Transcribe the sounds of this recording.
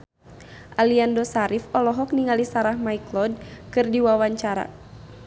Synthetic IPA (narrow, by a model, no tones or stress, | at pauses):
ʔaliandɔsaɾifɔlɔɦɔk̚niŋalisaɾahmaiklɔd̚kɨrdiwawaɲt͡ʃaɾa̰